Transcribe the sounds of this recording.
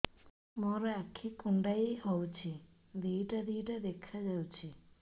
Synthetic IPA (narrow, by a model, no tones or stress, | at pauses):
moɾeakʰːikuɳɖajhowt͡ʃʰi | d̪iʈad̪iːʈad̪ekʰːad͡ʒawt͡ʃʰi